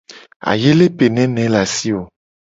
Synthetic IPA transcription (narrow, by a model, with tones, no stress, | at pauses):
a̰˨je˦le˦pe˨nɛ̃˨˦nɛ̃˨˦la˨si˦wo˨